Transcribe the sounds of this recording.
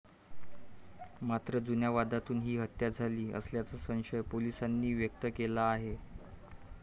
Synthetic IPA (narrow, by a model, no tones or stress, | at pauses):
mat̪ɾəd͡zunjaʋad̪at̪uːnɦiːɦət̪ːjad͡zʱaliːə̰sljat͡səsə̃w̃ɕəjpolisanːiːʋjək̚t̪əkelaːɦe